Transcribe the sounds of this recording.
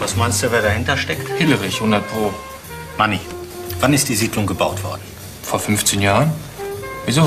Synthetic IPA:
vasmaɪnstd̥uveːɐɾahɪntɐʃtɛkthɪləʁɪçhʊndɐt̚pʁ̥oː | manivanɪst̚d̥iːziːdlʊŋɡəbaʊtv̥ɔ̰ɐdn̩ | foːɐfʏnft͡senjaːʁən | vizoː

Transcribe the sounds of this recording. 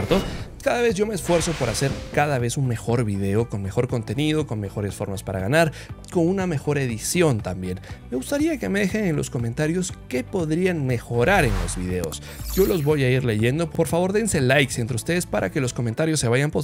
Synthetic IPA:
ɾt̪okaðaβe̞z̬ʝo̞meːsfwe̞ɾso̞po̞ɾase̞ɾkaðaβe̞sunme̞xo̞ɾβiðe̞o̞ko̞nme̞xo̞ɾko̞nt̪e̞nið̞o̞ko̞nme̞xo̞ɾe̞sfo̞ɾmaspaɾa̰ɣanaɾko̞nuname̞xo̞ɾe̞ðisjo̞nt̪ambje̞nme̞ɣust̪aɾiake̞me̞ðe̞xenenlo̞̰sko̞ment̪aɾjo̞ske̞po̞ðɾianme̞xo̞ɾaɾe̞nlo̞̰zβḭðe̞o̞̰s | ɟ͡ʝo̞lo̞zβo̞jaiɾle̞ʝe̞nd̪o̞po̞ɾfaβo̞ɾðe̞nse̞lajksent̪ɾeust̪e̞ðespaɾʔa̰ke̞lo̞sko̞ment̪aɾjosːe̞βaʝampo

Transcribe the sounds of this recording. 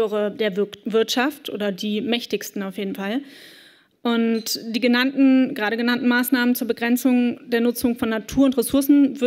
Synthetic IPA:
ʁədeːɐvɪɐtʃaftʔo̰ːdɐdiːmɛçtɪçstn̩aʊfjeːdn̩fal | ʔʊntd̥iːɡənantn̩ɡ̥ʁaːɾəɡənantn̩maːsnaːmənt͡suːɐbəɡʁɛnt͡sʊŋd̥eːɐnʊt͡sʊŋfɔnːatʰuːɐʊntʁ̥esʊɐsn̩vʏ

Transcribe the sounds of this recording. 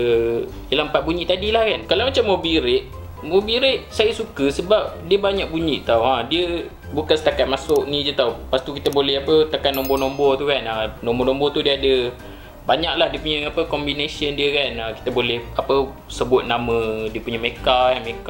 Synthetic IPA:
əlampat̪̚buɲiʔt̪adilahkankalawmat͡ʃamːobiɾɪt̪̚ | mobiɾɪt̪̚sajasukəsəbap̚diəbaɲak̚buɲiʔt̪awadiə | bukansə̥t̪akat̪̚masʊʔ̚nĩd͡ʒət̪awpast̪ukit̪əbolɛhapət̪akanːɔmbɔnɔmbɔt̪ukananõmbɔnɔmbɔt̪udiəadə | baɲak̚lahdiəpuɲəapəkɔmbinesəndiəkanaki̥t̪əbolɛhapə | səbʊt̪̚namə̃diəpuɲəmekaamekaʔ

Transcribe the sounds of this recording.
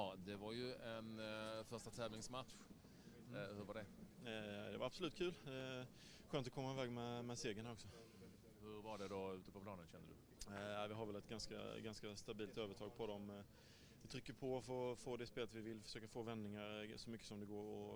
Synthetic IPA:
d̪ɛvaɾjɵɛnfœʂʈat̪ʰɛːvlɪŋsmat̪ɧ | hɵɾvaɖɛ | d̪ɛvaɾab̥sɔlʉ̟t̪kʰʉ̟ːld̪ɛ | ɧøːnt̪ɔkʰɔmːaɪvɛːɡmɛmɛseːɡənhaɾɔksɔ | hɵɾvaɖɛd̪ɔʉ̟ːt̪əpʰɔpʰlɑːnənɕɛnd̪əd̪ɵ̰ | æɪvɪɦaɾvɛlɛt̪ɡanska̰ɡanskast̪abiːlt̪øːvət̪ʰɑːɡ̚pʰɔd̪ɔm | vɪt̪ʰɾʏkːəɾpʰɔfoːfoːd̪ɛspeːlət̪vɪvɪlfœ̥ʂøːkafoːvɛnd̪ɪŋaɾsɔmʏkːə̥sɔmd̪ɛɡoːɾɔ

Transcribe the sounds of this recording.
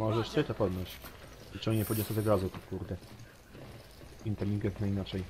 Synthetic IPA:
mɔʐɛʂsɛt̪ɔpɔd̪nɔɕ | it͡ʂɨɔnɲɛpɔd̪ɲɔsɔzɛd̪ɾazut̪ukuɾd̪ɛ | int̪ɛlʲːiŋɡɛk̪nainat͡ʂɛj

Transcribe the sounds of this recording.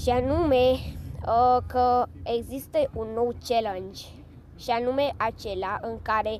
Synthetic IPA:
ʃianume | kəeɡzist̪əʔunːo̞wt͡ʃelənd͡ʒʲ | ʃianume̞ʔat͡ʃe̞leaʔɨŋkaɾe̞

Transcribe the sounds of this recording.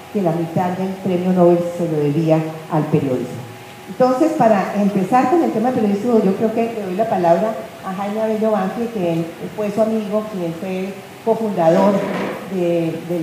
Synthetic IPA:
ke̞lamit̪aðd̪e̞lpɾe̞mjonoβe̞lseloðeβiaalpe̞ɾjo̞ðḭzmo | ent̪o̞nse̞spaɾaempe̞saɾko̞nelt̪emaðelpeɾjo̞izmod͡ʒo̞kɾeoke̞leðojlapalaβɾa | aɦajmeaβeʎoβaŋfekefweswamiɣokienfwe | ko̞fund̪aðo̞ɾd̪ed̪e

